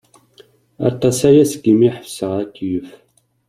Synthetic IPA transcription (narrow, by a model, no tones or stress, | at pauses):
ɑ̰ɾt̪ˤːɑsæjæsəɡimiħəfsəʁækːijəf